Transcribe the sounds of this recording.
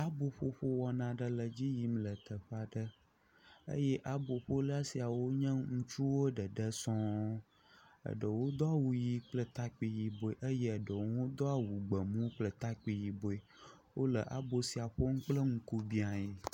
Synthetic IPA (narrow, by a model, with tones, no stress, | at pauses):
a˦bo˨ɸo˦ɸo˦wɔ˨nã˨ɖə˨lə˨d͡ʑi˦ji˦m˦lə˨t̪ə˨ɸa˨ɖə˦ | ə̰˦jɛ˦ʔa˦bo˨ɸo˦lə˦a˦si˨a˨wo˦ɲɛ̃˦ŋũ˦t͡ʃu˦wo˦ɖə˨ɖə˦sɔ̃˦ | ə̰˨ɖə˨wo˦d̪ɔ˦a˨wu˨ji˨k͡plə˦t̪a˦k͡pi˨ji˨bo˨e˨ʔə˦je˦ə˨ɖə˨wo˦d̪ɔ˦a˨wu˨ɡ͡bə˨mũ˦k͡plə˨t̪a˦k͡pi˨ji˨bo˨e˨ | wo˦lə˨ʔa̰˨bo˨si˨a˨ɸo˦ŋ̩˦k͡plə˦ŋ̩˦ku˦bi˦a˨je˨